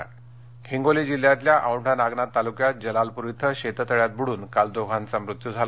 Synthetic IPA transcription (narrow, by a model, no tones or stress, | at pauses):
kʰiŋɡolid͡ʑil̤jat̪ljaʔawɳʈʰanaɡnat̪ːalukjat̪̚d͡ʑəlalpuɾit̪ʰːəɕet̪ət̪əɭjat̪̚buɽuːnkald̪oɡʱant͡samɾut̪jud͡zʱala